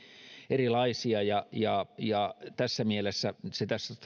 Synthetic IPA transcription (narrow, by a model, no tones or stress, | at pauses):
erilɑisiɑjɑjɑjɑt̪æsːæmielesːæset̪æsːæ